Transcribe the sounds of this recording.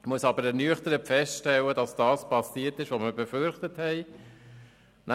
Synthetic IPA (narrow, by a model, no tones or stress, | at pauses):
muəsɑbəɾɛnyəχtəɾəpfɛstʃtɛlːədɑsd̥ɑːspʰɑsiːtɪʃʋoməbɛfʏɾχtəthɛɪ | nʔæ